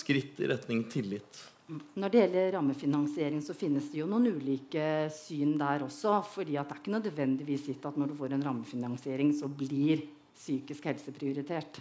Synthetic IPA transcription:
skɾɪt̪ːɪ̰ɾɛt̪nɪŋt̪ʰɪlːɪt̪ː | nɔɖɛjɛlːəɾɾɑmːəfɪnɑŋsɪeːɾɪŋsɔfɪnːəsd̪ɛjʊnuːənʉːliːkəsyːnd̪æɾɔsːɔfɔɖiːɑt̪̚d̪ɛæɾɪkːənœd̪ʋɛnd̪ɪʋiːsɪt̪ːɑt̪nɔɖʉfoːɾɛnɾɑmːəfɪnɑŋsɪeːɾɪŋsɔblɪɾ | syːkɪskhɛlsəpʰɾɪʊɾɪt̪ʰeːʈ

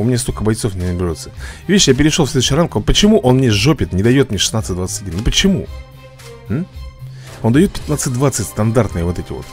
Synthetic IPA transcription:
ʊmʲɪnʲast̪okəbɐjt̪so̞fnʲɪnəbʲɪɾʲo̞t̪səvʲeɕjap̬ʲɪɾʲɪʂlofslʲed̪ʊɕɪramkəvot̪pət͡ɕɪmuʔo̞nmnʲeʐopʲɪt̪nʲɪd̪ɐjo̞t̪mnʲeʂɨ̥snat̪sɨtʲd̪vat̪sə̥ɨtʲɐdʲinːʊpət͡ɕɪmu | m̩ | ond̪ɐjo̞t̪̚pʲɪ̥t̪nat̪sɨt̚ʲd̪vat̪sɨtʲst̪ɐnd̪art̪nɨjəvo̞t̪ɛtʲɪvo̰t̪

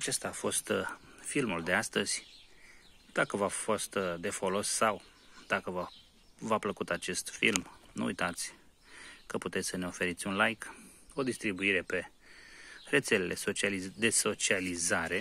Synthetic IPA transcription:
at͡ʃe̞st̪aːfo̞st̪filmuld̪e̞ast̪əz̥ʲ | d̪̥akəvafo̞st̪d̪e̞fo̞lo̞sːaw | d̪̥akəva | vapləkut̪at͡ʃe̞st̪fḭlmnṵṵjt̪at̪sʲ | kəput̪e̞t̪sʲsəne̞o̞fe̞ɾit̪sʲunlajk | o̞d̪ist̪ɾibuiɾe̞pe̞ | re̞t̪se̞le̞lʔesot͡ʃalizd̪e̞so̞t͡ʃializaɾe̞

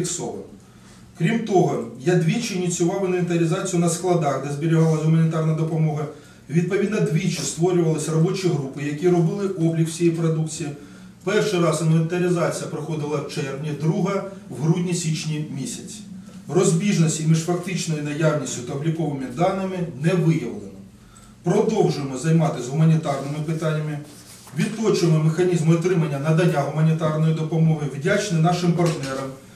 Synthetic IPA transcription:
ksɔ̰ɦɐ̰ | kɾʲimt̪ɔɦɔjad̪ʋʲit͡ʃɪnʲit͡sʲʊʋɑwnʲɪlʲɪt̪ɐɾʲɪzɑt͡sʲijʊnɐsklˠɐd̪ɑxd̪ɛzʲbʲiɾʲɪɦɑlˠɐzɦʊmɐnʲɪt̪ɑrnɐd̪ɔpɔmɔɦɐ | ʋʲid̪̚pɔʋʲid̪nɐd̪ʲʋʲit͡ʃist̪ʋɔɾʲʊʋɐlˠɪsʲrɔbɔt͡ʃʲiɦɾupɪjɐkʲiɾɔbɪlˠɪʔɔblʲikw̥sʲijɛijpɾɔd̪ukt͡sʲiji | pɛrʃɪjɾɑsɐmɔnʲɪt̪ɐɾʲɪzɑt͡sʲijɐpɾɪxɔd̪ɪlˠɐwt͡ʃɛrʋnʲid̪ɾuɦɐwɦɾudʲnʲisʲit͡ʃnʲimʲisʲɐt͡sʲ | rɔzʲbʲiʒnɔsʲtʲimʲiʃfɐk̚t̪ɪt͡ʃnɔjinɐjɑwnʲisʲtʲʊt̪ɐblʲikɔʋɪmʲid̪ɑnɪmɪnɛʋɪjɐʋlˠenɔ | pɾɔd̪ɔwʒʊjemɔzɐjmɑt̪ɪzɦʊmɐnʲit̪ɑrnɪmɪpɪt̪ɑnʲːɐmɪ | ʋʲid̪̚t̪ɔt͡ʃʊjmɔmexɐnʲizmɔt̪ɾɪmɐnʲːɐnɐd̪ɐnʲːaɦʊmɐnʲit̪ɑrnɔjid̪ɔpɔmɔɦɪwdʲat͡ʃnɪnɑʃɪmpɐrt̪nɛɾɐm

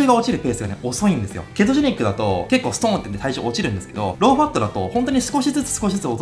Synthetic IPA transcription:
eɡao̞t͡ɕiɾɯ̟pe̞ːsɨɡane̞̰o̞so̞ĩnd̪e̞sɨjo̰ke̞t̪̬oʑiɲʲikːɯ̟d̪at̪o̞̰ke̞kːo̞ːsɨ̥t̪õnt̪enet̪aiʑo̰ːot͡ɕiɾɯ̟̃nd̪e̞sɨ̥ke̞d̪o̞̰ɾo̞ːɸat̪ːo̞d̪at̪o̞̰hõ̞nt̪oɲ̟isɨ̥ko̞ɕizɨt͡sɨ̥sɨ̥ko̞ɕizɨt͡sɨot̪

